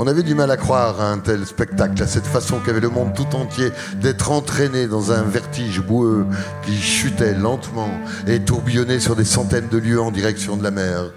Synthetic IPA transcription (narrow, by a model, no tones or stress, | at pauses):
ɔ̃navɛd̪ymalakχwaʁaɛ̃t̪ɛlspɛk̚t̪aklasɛt̪fasɔ̃kʲiavɛləmɔ̃d̪̚t̪ut̪ɑ̃t̪je | d̪ɛt̪χɑ̃t̪χened̪ɑ̃zɛ̃vɛʁt̪iʒbuøkʲiʃyt̪ɛlɑ̃t̪mɑ̃ | et̪uʁbijɔnesyʁd̪esɑ̃t̪ɛnd̪əljøɑ̃d̪iʁɛksjɔ̃d̪əlamɛːʁ